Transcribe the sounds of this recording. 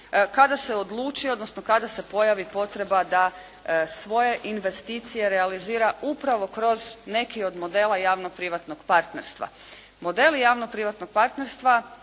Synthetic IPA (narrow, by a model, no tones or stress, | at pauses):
kad̪ase̞od̪lˠuːt͡ʃio̞d̪nosnokad̪ase̞po̞jaʋipo̞t̪ɾe̞bad̪a | sʋo̞je̞ʔinʋe̞st̪iːt̪sije̞ɾealiziːɾaupɾaʋo̞kɾo̞zne̞kio̞d̪mo̞d̪e̞ːlˠajaːʋno̞pɾiʋat̪no̞ɡ̥paɾt̪ne̞ɾst̪ʋa̰ | mo̞d̪e̞lijaːʋnopɾiʋat̪no̞ɡ̚paɾt̪neɾst̪ʋa